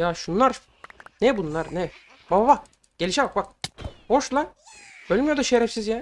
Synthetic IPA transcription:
jaːʃunlˠaɾ | nɛbunlˠaɾnɛ | bababak | ɟ̥e̞lʲiʃɛbak̚bak̚bo̞ʃlˠabølʲimjod̪aʃeɾɛfsizjæ

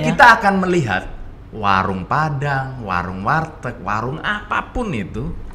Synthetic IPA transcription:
kit̪aːkanməliɦa̰t̪̚ | wa̰ɾʊŋpadaŋwa̰ɾʊŋwart̪ək̚wa̰ɾʊŋapapʊnit̪u

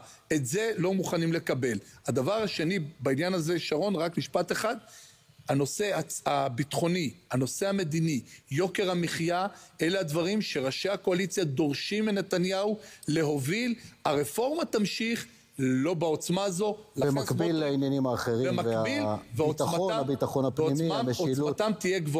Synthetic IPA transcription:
etze̞lo̞muχanimle̞kabe̞lad̪avaʁaʃe̞nibainjanazeʃaʁo̞nʁakniʃpat̪eχad̪ | hano̞se̞aabit̪χo̞niano̞se̞hame̞d̪inijo̞ke̞ʁameχjae̞lead̪vaʁimʃe̞ʁaʃehako̞alit͡sjad̪o̞ʁʃimenet̪anjaule̞ɦo̞vilaʁefo̞ʁmat̪amʃiχ | lo̞bao̞t͡smaːzo̞laemakbilːainjanimaːχeʁiemaveabilveoaaabit̪aχonavpoimimeolmat̪amt̪ijeɡvo

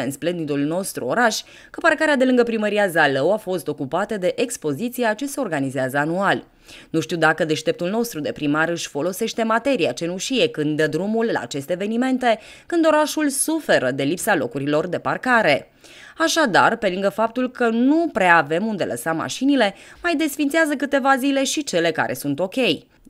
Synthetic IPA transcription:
ɨnsple̞nd̪it̪ulno̞st̪ɾuoɾaʃʲ | kəparkaɾead̪e̞lɨŋɡəpɾiməɾiazaləwafo̞st̪o̞kupat̪əd̪e̞ʔekspo̞zit̪sijat͡ʃe̞se̞o̞rɡanizeazəanual | nuʃt̪iwd̪akəd̪e̞ʃt̪e̞p̚t̪ulno̞st̪ɾud̪e̞pɾimaɾɨʃʲfo̞lo̞se̞ʃt̪e̞mat̪e̞ɾiat͡ʃe̞nuʃije̞kɨnd̪əd̪ɾumulːa̰ːt͡ʃe̞st̪eːve̞nime̞nt̪e̞ | kɨnd̪o̞ɾaʃulsufe̞ɾəd̪e̞lipsalo̞̰kuɾilo̞rd̪e̞parkaɾe̞ | aʃad̪a̰rpe̞lɨŋɡəfap̚t̪ulkənupɾeave̞mund̪e̞̰lʔə̰samːa̰ʃinile̞majd̪e̞sfint̪seazəkɨt̪e̞vazile̞ʃit͡ʃe̞le̞ka̰ɾʔe̞sunt̪o̞kʲe̞j

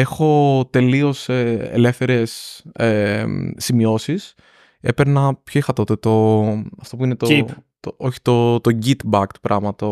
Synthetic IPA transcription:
e̞xo̞t̪e̞lio̞seḛle̞fθe̞ɾe̞seː | imio̞sis | e̞̰peɾnɐpço̞ixɐt̪o̞t̪e̞t̪o̞ɐft̪o̞puinet̪ot̪ooçi̥t̪o̞t̪o̞ɟit̪bɐkt̪pɾɐɣmɐt̪o

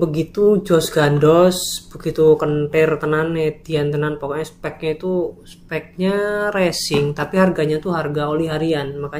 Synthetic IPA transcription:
bəɡit̪ud͡ʒɔsɡandɔsbəɡit̪ukənʈɪrt̪ənanːed̪iant̪ənanpakoɲaspɛk̚ɲait̪uspɛk̚ɲarɛsɪŋt̪apiɦarɡaɲat̪uɦarɡaolɛɦaɾianmaka

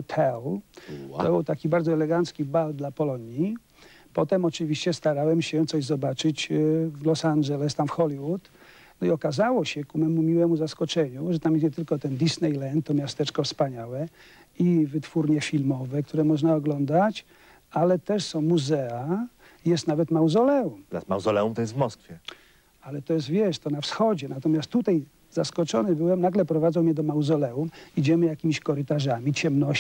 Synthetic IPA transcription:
ɔt̪ʰɛl | t̪ɔbɨwt̪akʲibaɾd̪zɔɛlɛɡant̪skʲibald̪lapɔlɔɲi | pɔt̪ɛmɔt͡ʂɘvʲiɕt͡ɕɛst̪aɾawɛmɕɛt̪sɔʑzɔbat͡ʂɘd͡ʑvlɔsanʐɛlɛst̪amfxɔlʲiwut̪ | nɔiɔkazawɔɕɛkumɛmumʲiwɛmuzaskɔt͡ʂɛɲuʐɛt̪amjɛst̪ɲɛt̪ɘlkɔt̪ɛnd̪isnɛjlɛnt̪ːɔmʲjast̪ɛt͡ʂkɔfspaɲawɛ | ivɘt̪fuɾɲɛfʲilmɔvɛk̚t̪ʰuɾɛmɔʐnaɔɡlɔnd̪at͡ɕ | alɛt̪ɛʂsɔ̃w̃muzɛa | jɛst̪navɛt̪mawzɔlɛumɔɾa̰sma̰wzɔlɛumt̪ɔjɛst̪vmɔskfʲjɛ | alɛt̪ɔjɛst̪vʲjɛʂt̪ɔnafsxɔd͡ʑɛnat̪ɔmʲast̪ːut̪aj | zaskɔt͡ʂɔnɘbɘwɛmnaɡlɛpɾɔvad̪zɔ̃wmɲɛd̪ɔmawzɔlɛumid͡ʑɛmɘjakʲimʲiɕkɔɾɘt̪aʐamʲit͡ɕɛmnɔɕ

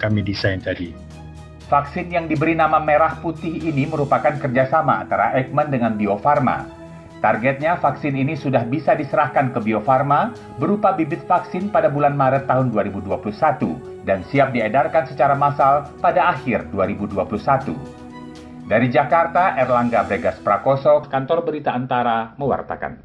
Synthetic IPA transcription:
kamidisajnt̪adi | faksɪnjaŋdibəɾinamameɾahput̪ɪhiniməɾupakankərd͡ʒasama̰ːnt̪aɾa̰ʔɛk̚məndəŋanbiofarma̰ | t̪arɡɛt̪̚ɲafaksɪninisudahbisadisəɾahkankəbiofarma | bəɾupabibɪt̪̚faksɪnpadabulanmaɾət̪ːaɦʊnduaɾibuduapuluhsat̪ṵ | dansiap̚diadarkansət͡ʃaɾamasalpadaːhɪrduaɾibuduapuluhsat̪ṵ | daɾid͡ʒakart̪aʔɛrlaŋɡabɾeɡaspɾakɔsɔkant̪ɔrbəɾit̪aənt̪aɾaməwa̰rt̪a̰ka̰n

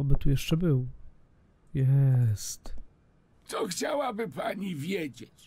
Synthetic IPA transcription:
bɘt̪ujɛʂt͡ʂɛbɘw | jɛst̪ | t̪sɔxt͡ɕawabɘpaɲivʲjed͡ʑet͡ɕ

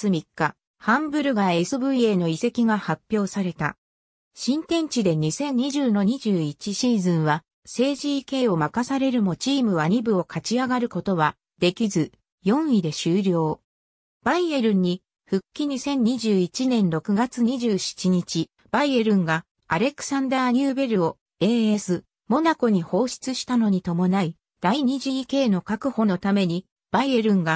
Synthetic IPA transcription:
sɨmʲikːa | hãmbɯ̟ɾɯ̟ɡae̞sɨbɯ̟ie̞ːno̞ise̞kʲiɡahapʲːjo̞ːsaɾe̞t̪a̰ | ɕĩnt̪ẽ̞ɲ̟t͡ɕid̪e̞ɲ̟isẽ̞ɲ̟ɲːiʑɨːno̞ɲ̟iʑɨːit͡ɕiɕiːzɨ̃ɰ̃βa | se̞ːʑiːke̞ːo̞makasaɾe̞ɾɯ̟mo̞t͡ɕiːmɯ̟βaɲ̟ibɯ̟o̞kʰat͡ɕiaɡaɾɯ̟ko̞t̪o̞βa | d̪̥e̞kʲizɨ | jõ̞ɰ̃id̪e̞ɕɨːɾʲjo̞ː | b̥aie̞ɾɯ̟̃ɲ̟ːi | ɸɯ̟kʲːiɲ̟isẽ̞ɲ̟ːiʑɨːit͡ɕinẽ̞nɾo̞kɯ̟ɡat͡sɨɲ̟iʑɨːɕi̥t͡ɕiɲ̟it͡ɕi | b̥aie̞ɾɯ̟̃ŋɡa | aɾe̞kɯ̟̥sãnd̪aːɲ̟ɨːbe̞ɾɯ̟o̞ | e̞ːesɨ | mo̞nako̞ɲ̟iho̞ːɕi̥t͡sɨɕi̥t̪ano̞ɲ̟it̪o̞mo̞nai | d̪̥aiɲ̟iʑiːke̞ːno̞kakɯ̟ho̞no̞t̪ame̞ɲ̟i | b̥aie̞ɾɯ̟̃ŋɡa

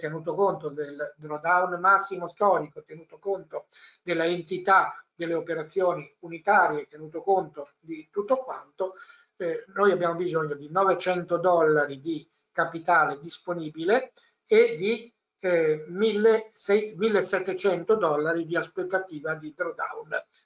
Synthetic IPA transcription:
t̪ːenuːt̪okont̪od̪eld̪ɾod̪awnmasːimost̪ɔːɾikot̪enuːt̪okont̪o | d̪elːaent̪it̪ad̪elːeopeɾat̪sːjoːniunit̪aːɾjet̪ːenuːt̪okont̪o | d̪it̪ut̪ːokwant̪o | nojabjaːmobizoɲːod̪inɔvet͡ʃɛnt̪od̪ɔlːaɾid̪i | kapit̪aːled̪isponiːbile | ed̪i | milːesɛjmilːesːɛt̪ːet͡ʃɛnt̪od̪ɔlːaɾid̪iaspet̪ːat̪iːvad̪id̪ɾod̪a̰wn

